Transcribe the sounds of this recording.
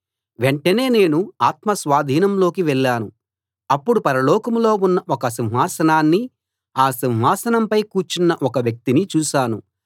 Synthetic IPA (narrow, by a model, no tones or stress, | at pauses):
ʋeɳʈɐne̞ːne̞ːnuaːt̪mɐsʋaːd̪ʱiːnɐmlo̞ːkiʋɛɭːaːnu | ɐpːuɽupɐɾɐlɔːkɐmlo̞ːunːɐʔɔkɐs̬inɦaːsɐnaːnːi | aːsinɦaːsɐnɐmpɐjkuːt͡ʃinːɐʔɔkɐʋjɐk̚t̪init͡ʃuːʃaːnu